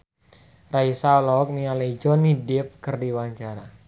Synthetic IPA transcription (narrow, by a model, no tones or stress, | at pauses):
raisalɔɔk̚nialaid͡ʒɔnidɪp̚kɨrdiwaɲt͡ʃaɾa̰